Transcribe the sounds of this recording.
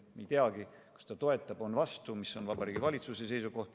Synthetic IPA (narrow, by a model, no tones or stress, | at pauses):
mijt̪eɑɡi | kɑ̥st̪ɑt̪o̞e̞t̪ˑːɑb̥o̞nvɑst̪umisːo̞nvɑbɑɾiːɡ̥ivɑlʲit̪susese̞jsuko̞ht̪